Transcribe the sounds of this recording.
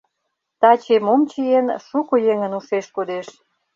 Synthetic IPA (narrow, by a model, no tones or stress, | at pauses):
t̪ɑt͡ɕemomt͡ɕijenʃukojeŋənuʃeʃkod̪eʃ